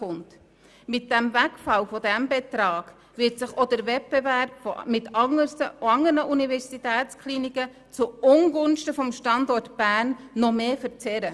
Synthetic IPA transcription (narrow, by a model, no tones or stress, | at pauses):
ʊnt | mɪt̚d̥ɛmvækfɑlfɔdæmbɛt̪ɾɑːɡ̥ | vɪtsɪχɔd̥əɾvɛt̚b̥ɛværb̥fomɪtɑŋəsəɑŋːəɾnəʔunivɛɾsitɛːtt͡skʰliːnikə | t͡suʊŋɡʊnʃtəfɔmʃtɑndɔɾtb̥æːɾnːɔmeːfəɾt͡sɛɾə